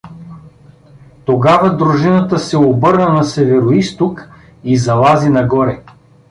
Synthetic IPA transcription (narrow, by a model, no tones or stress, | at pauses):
t̪oɡavɐd̪ɾuʒinət̪əsɛobɤɾnɐnɐsɛvɛɾoist̪ok | izɐlˠazinɐɡɔɾɛ